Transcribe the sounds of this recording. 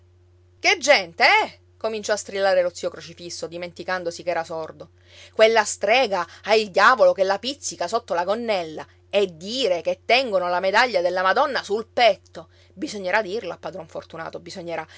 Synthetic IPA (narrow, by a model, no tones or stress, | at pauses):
ked͡ʒːɛnt̪eɛ | komint͡ʃɔast̪ɾilːaːɾelot̪siːokɾot͡ʃifisːod̪iment̪ikand̪osikɛːɾasord̪o | kwelːast̪ɾɛːɡaaild̪jaːvolokelːapit̪sːikasot̪ːolaɡonːɛlːa | ed̪iːɾeket̪ːɛŋɡonolamed̪aʎːad̪elːamad̪ɔnːasulpɛt̪ːo | bizoɲːeɾad̪irloapːad̪ɾɔɱfort̪una̰ːt̪obizoɲːeɾa